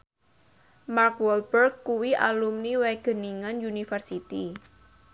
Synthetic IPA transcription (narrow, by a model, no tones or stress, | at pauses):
markwɔlbərɡkːuwiʔalumniwɛɡ̥ə̤niŋanjunifərsit̪i